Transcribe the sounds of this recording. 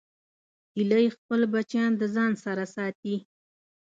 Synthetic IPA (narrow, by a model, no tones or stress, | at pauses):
iləjexpəlbat͡ʃjɑnd̪əzɑnsaɾasɑt̪i